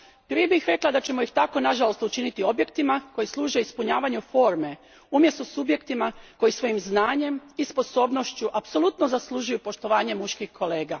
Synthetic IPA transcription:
pɾiebixɾe̞klˠad̪at͡ɕe̞mojixt̪ako̞naʒalost̪ut͡ʃinit̪io̞bje̞kt̪imako̞jislˠuːʒe̞ispuɲaːʋaɲufo̞ːɾme̞ | umjest̪osubje̞kt̪imako̞jisʋo̞jimznaːɲe̞mispo̞so̞ːbno̞ʃt͡ɕuʔapsolˠut̪nozaslˠuʒujupo̞ʃt̪o̞ʋaːɲe̞muʃkixkʰo̞le̞ːɡa

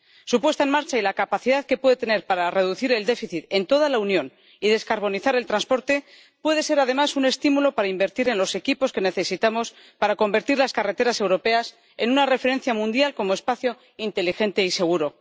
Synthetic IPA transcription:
supwe̞st̪aenmaɾt͡ʃailakapaθiðaðke̞pwe̞ðe̞t̪e̞ne̞ɾpaɾare̞ðuθiɾe̞ld̪e̞fiθit̪e̞nt̪o̞ðalaunjõ̞n | iðe̞skaɾβ̞o̞niθaɾe̞lt̪ɾanspo̞ɾt̪e̞ | pwe̞ð̞e̞se̞ɾaðe̞masune̞st̪imulo̞paɾaimbe̞ɾt̪iɾe̞nlo̞se̞kipo̞ske̞ne̞θe̞sit̪amo̞s | paɾako̞mbe̞ɾt̪iɾlaskare̞t̪e̞ɾase̞wɾo̞pe̞as | e̞nunare̞fe̞ɾe̞nθjamũnd̪jalko̞mo̞e̞spaθjo̞ | int̪e̞lixe̞nt̪e̞ise̞ɣ̞uɾo̞

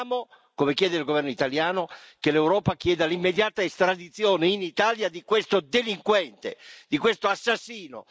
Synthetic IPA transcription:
mo | komekjɛːd̪eilɡovɛrnoit̪aljaːnokelewɾɔːpak̟jɛːd̪alimːed̪jaːt̪aest̪ɾad̪it̪sːjoːneinit̪aljad̪ikwest̪od̪eliŋkwɛnt̪ḛd̪̥ikwest̪oasːasːiːno̰

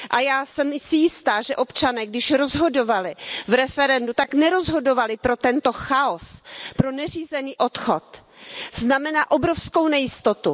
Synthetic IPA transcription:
ʔajaːsɛmsɪjɪst̪aːʒɛʔo̞pt͡ʃanɛːɡdɪʃɾo̞zɦo̞do̞valɪvɾɛfɛɾɛndut̪aknɛɾo̞zɦo̞do̞valɪpɾo̞t̪ɛnt̪o̞xaospɾo̞nɛriːzɛniːʔo̞t̪xo̞t̪ | znamɛnaːʔo̞bɾofsko̞wnɛjɪst̪o̞t̪u

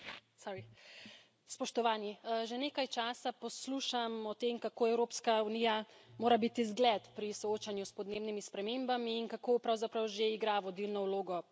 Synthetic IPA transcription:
sɔɾi | spɔʃt̪ɔʋaːniʒeneːkajt͡ʃaːsapɔsluːʃamɔt̪emkakoːɛwɾoːpskaunijamoːɾabit̪izɡlɛt̪pɾisɔoːt͡ʃanjuspɔd̪neːbnimispɾɛmeːmbamiːnkakopɾawzapɾawʒeiɡɾaʋɔd̪ilnɔwloːɡɔ

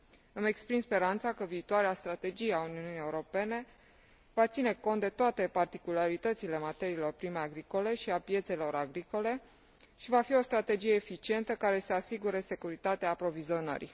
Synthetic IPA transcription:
ɨme̞kspɾimspe̞ɾant̪sakəviːt̪oaɾeast̪ɾat̪e̞d͡ʒijeauniunieuɾo̞pe̞ne̞ | vat̪sine̞ko̞nt̪d̪e̞t̪oat̪e̞part̪ikulaɾit̪ət̪sile̞mat̪e̞ɾiːlo̞rpɾime̞aɡɾiko̞le̞ʃiapje̞t̪se̞lo̞ɾaɡɾiko̞le̞ | ʃivafio̞st̪ɾat̪e̞d͡ʒijeːfit͡ʃie̞nt̪əkaɾe̞seasiɡuɾese̞kuɾit̪at̪eaːpɾo̞vizio̞nə̰ɾi

